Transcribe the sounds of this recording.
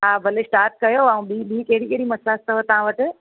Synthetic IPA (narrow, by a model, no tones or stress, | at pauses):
ɦaːbʱɐlesʈaːɾʈ̚kɐjoaũɓiːɓiːkɐɦɪɽikeɦɪɽimɐsaːst̪ɐɦot̪ɐʋãʋəʈɪ̆